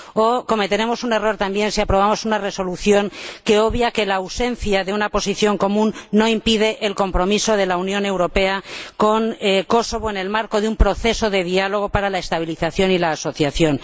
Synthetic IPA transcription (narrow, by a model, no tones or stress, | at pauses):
oko̞me̞t̪e̞ɾe̞mo̞sune̞ro̞ɾt̪ambje̞nsiapɾo̞β̞amo̞sunare̞so̞luθjo̞ŋke̞oβjake̞lawse̞nθjaðeunapo̞siθjo̞ŋko̞mũnːo̞impið̞e̞ʔelko̞mpɾo̞miso̞ð̞e̞launjo̞ne̞wɾo̞pe̞ako̞ŋko̞so̞β̞oene̞lmaɾko̞ðeumpɾo̞θe̞so̞ðe̞ð̞ialo̞ɣ̞o̞paɾalae̞st̪aβ̞iliθaθjo̞nilaːso̞θjaθjo̞n